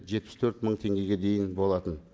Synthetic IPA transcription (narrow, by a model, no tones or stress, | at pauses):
ʒe̞t̪̚pɪst̪ʰɵɾt̪məɴt̪ʰe̞ŋɡʲe̞ɡʲe̞d̪e̞jɪnbo̞lˠɑt̪ən